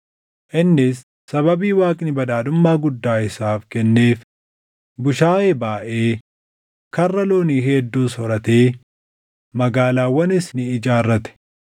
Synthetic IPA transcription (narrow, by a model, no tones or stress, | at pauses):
ʔɪnːɪsː | ɐβɐbiːwaːkʼnɪbɐᶑaːd̪ʊmːaːɡʊd̪ːaːɪsaːfkɛnːe̞ːf | bʊʃaːeːbaːʔe̞ː | kɐrːɐloːniːɦeːd̪ːuːsɔɾɐt̪eː | mɐɡaːlaːwːɐnɪsnɪɪd͡ʒaːrːɐt̪ɛ̥